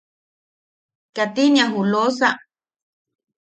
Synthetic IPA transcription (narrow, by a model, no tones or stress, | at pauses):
kat̪inĩãɦulos̬a